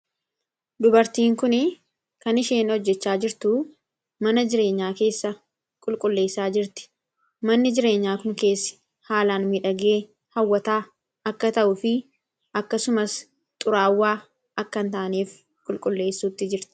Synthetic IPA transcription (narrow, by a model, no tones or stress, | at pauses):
d̪ʊbɐɾt̪iːŋkʊnɪ | kɐnɪʃeːnɔd͡ʒːɛt͡ʃːaːd͡ʒɪɾt̪ʊ | mɐnɐd͡ʒɪɾe̞ːɲːaːke̞ːsːɐ | kʼʊlkʼʊlːe̞ːsːaːd͡ʒɪɾt̪ɪ̥ | mɐnːɪd͡ʒɪɾe̞ːɲːaːkʊŋke̞ːsːɪ̥ | haːlaːnmɪᶑɐɡeː | hɐwːɐt̪aː | ɐkːɐt̪ɐʔʊfɪ | ʔɐkːɐsʊmɐs | t̪ʼʊɾaːwːaː | ɐkːɐnt̪aːʔniːf | kʼʊlkʼʊlːe̞ːsːuːt̪ːɪd͡ʒɪɾt̪ɪ̥